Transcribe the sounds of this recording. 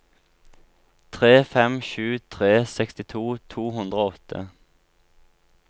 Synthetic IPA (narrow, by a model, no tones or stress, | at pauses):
t̪ʰʁeːfɛmʃʉːt̪ʰʁeːsɛkst̪ɪt̪ʰuːt̪ʰuːhʉnd̪ʁoːɔt̪ʰə̰